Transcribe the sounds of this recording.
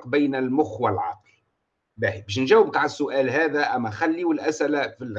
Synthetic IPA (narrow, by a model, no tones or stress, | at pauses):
qbæjnælmʊxwalʕɑ̰qli | bæhibæːʃ̬nʒæwːɪb̚t̪aʕɪsːʊʔæːlɦæːðæʔæmːæxalːiwɪlʔæsʔɪlæfi